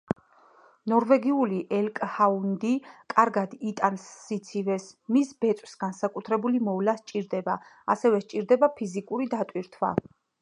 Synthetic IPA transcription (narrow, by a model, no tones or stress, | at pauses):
nɔɾvɛɡiuliʔɛlkʼhaund̪ikʼaɾɡad̪it̪ʼansːit̪sʰivɛsmisbɛt̪sʼwsɡ̥ansakʼut̪ʰɾɛbulimɔvlaʃt͡ʃʼiɾd̪ɛbaa̰sɛvɛʃt͡ʃʼiɾd̪ɛbapʰizikʼuɾid̪at̪ʼwiɾt̪ʰwa̰